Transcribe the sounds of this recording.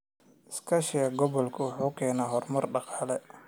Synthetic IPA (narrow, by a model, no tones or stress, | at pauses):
ʔɪskʰɐʃɪjɐɡɔβɔlkʰʊwʊħuːkʰɛːnaːɦɔrmɐrɖɑqɑːlɛ